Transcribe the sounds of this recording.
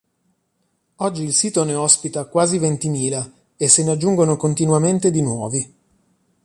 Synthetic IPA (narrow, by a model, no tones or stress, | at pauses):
ɔd͡ʒːiːlsiːt̪oneɔspit̪akwaːzivent̪imiːla | esːenead͡ʒːuŋɡonokont̪inwament̪ed̪inwɔːvi